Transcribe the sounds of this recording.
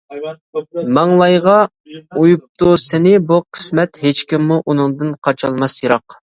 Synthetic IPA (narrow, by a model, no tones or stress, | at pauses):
mɑŋlˠɑjʁɑ | ujup̚t̪usɪnɪbuqʰə̥smɛt̪het͡ʃkʲimːuʔunɨŋd̪ɨnqʰɑt͡ʃʰɑlˠmɑsjɨɾɑq